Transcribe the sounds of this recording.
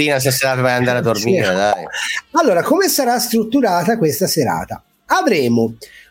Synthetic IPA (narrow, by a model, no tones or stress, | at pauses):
iːnas̬eseɾaːt̪avajand̪aːɾead̪ormiɾed̪ajalːoːɾakomesaɾast̪ɾut̪ːuɾaːt̪akwest̪aseɾa̰ːt̪a̰ | avɾɛːmo